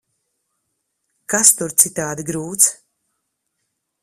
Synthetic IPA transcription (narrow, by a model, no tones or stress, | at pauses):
kast̪uɾt̪sit̪aːd̪iɡɾuːt̪s